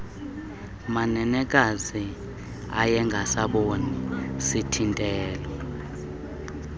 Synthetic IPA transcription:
manɛnɛkʼazi | a̰jɛŋɡʱasaɓonisitʰintʼɛːlwɔ

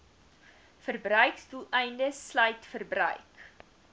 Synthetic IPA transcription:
fərbrœɥksdulˠɛjndəslœjtfərbrœ̰ɥk

